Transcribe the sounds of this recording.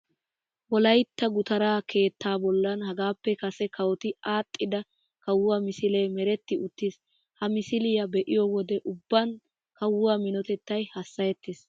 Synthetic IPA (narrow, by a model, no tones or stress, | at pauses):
wɔlɐjt̪ːɐɡʊt̪ɐɾaːkʰe̞ːt̪ːaːbɔlːɐnhɐɡaːpːɛkɐsɛkɐwɔt̪ɪaːt̪ʼːɪd̪ɐ | kɐwːʊwamɪsɪleːmɛɾɛt̪ːɪʔʊt̪ːɪs | hɐmɪsɪlɪjɐbɛʔɪjɔwɔd̪ɛʔʊbːɐn | kɐwːʊwaːmɪnɔt̪ɛt̪ːɐjhɐsːɐjɛt̪ːɪs